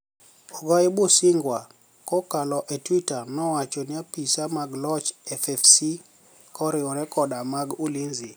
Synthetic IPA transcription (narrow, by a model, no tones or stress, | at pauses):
ɔɡaɛbosɪŋɡwa | kɔkalɔʔɛtwitanɔwat͡ʃɔnɪapisamaɡlɔt͡ʃɛfɛfsi | kɔɾɪɔɾɛkɔdamaɡulinzi